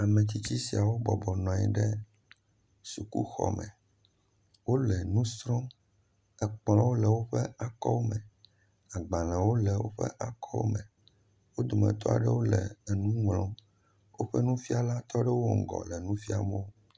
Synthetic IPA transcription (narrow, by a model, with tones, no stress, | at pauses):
a˨mẽ˨t̪i˦t͡ɕi˦si˨a˨wo˦bɔ˨bɔ˨nɔ̃˨ɛ̰˨ɖɛ˦ | su˨kṵ˦xɔ̰˨mɛ̰̃˨ | wo˦lɛ˨nũ˦st̪ɾɔ̃˦ | ɛ˨k͡plɔ̃˦wo˦lɛ˨wo˦ɸɛ˦a˨kɔ˦wo˦mɛ̃˨ | a˨ɡ͡ba˨lɛ̃˨wo˦lɛ˨wo̰˦ɸɛ̰˦ʔa˨kʰɔ˦wo̰˦mɛ̃˨ | wo˦d̪o˨mɛ̰̃˨t̪ɔ˦a̰˨ɖɛ˦wo˦lɛ̰˨nũ˦ŋlɔ̃˦ | wo˦ɸɛ˦nũ˦fi˦a˨la˦t̪ɔ˦ɖɛ˦wo˦ŋ̩˨ɡɔ̰˨lɛ˨nũ˦fi˦a˨mẽ˦o˦